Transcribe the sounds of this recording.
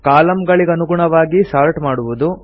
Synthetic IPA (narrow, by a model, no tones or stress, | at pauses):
kaːlɐmɡɐɭiɡeɐnuɡuɳɐʋaːɡisaːɾʈmaːɽuʋud̪u